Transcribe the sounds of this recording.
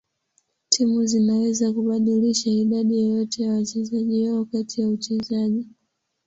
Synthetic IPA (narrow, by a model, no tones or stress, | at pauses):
tʰimuzinawɛzakuɓaɗiliʃaiɗaɗijɔjɔtɛjawat͡ʃɛzaʄiwaɔkatijaut͡ʃɛzaʄi